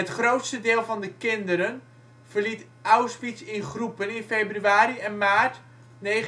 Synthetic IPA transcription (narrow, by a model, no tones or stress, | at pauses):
ətχrowtstədɪːlˠvɔndəkɪndəɾən | vərlit | ʔawspitsɪnχrupənɪnfejbryaːɾiɛnmaːt | ne